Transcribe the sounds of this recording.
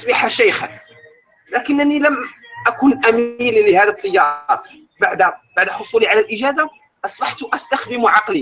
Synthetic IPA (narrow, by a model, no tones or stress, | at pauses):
ʔsˤbɪħaʃæjxa̰n | lækənːænilæm | ʔækunʔæmilləhæd̪ət̪ˤːəjːɑɾˤ | baʕd̪æbaʕd̪ħosˤuliʕalælʔəʒæza | ʔɑsˤbɑħt̪ʔæst̪axd̪əmuʕɑqli